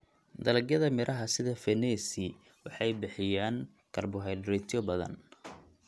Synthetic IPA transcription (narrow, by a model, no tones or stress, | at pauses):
d̪ɐlɐɡjɐðɐmɪɾʔɐɦɐsɪðɐfɛnɛːsɪ | wɑħɑjbɪħɪjaːŋ | kʰɐrbʊɦɛjɖɪɾɛt̪ʰjɔbɐðɐ̰n